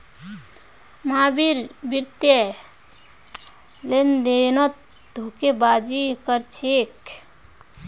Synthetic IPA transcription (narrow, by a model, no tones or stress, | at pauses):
mabiɾbiɾt̪je | lend̪enot̪̚ | d̪ʱukebad͡ʒikəɾt͡ʃʰek